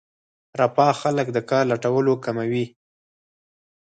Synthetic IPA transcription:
ɾapɑxaləkd̪əkɑɾlaʈawəlokamawi

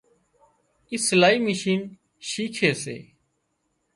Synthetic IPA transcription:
ɪslaːiːməʃiːn | ʃiːkʰeːsḛː

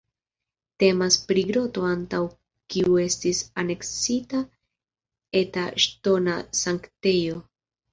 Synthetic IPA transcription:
te̞maspɾiɡɾo̞to̞antaw | kiue̞stisane̞ksita | etaʃto̞nasaŋkte̞jo̞

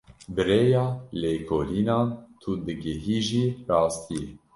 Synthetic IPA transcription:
bɨɾeːjɑːleːkʰoːliːnɑːnt̪ʰud̪ɨɡɪɦiːʒiːrɑːst̪ʰijɛ

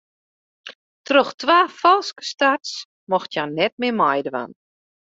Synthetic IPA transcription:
trøxtʋaːfɔlˠskə̥stats | mɔxtjanɛt̚mɪmajdəʋa̰n

